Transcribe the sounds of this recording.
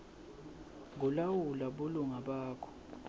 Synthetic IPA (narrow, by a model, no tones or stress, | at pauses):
ŋulawulaɓuluŋaɓaːkʰɔ̥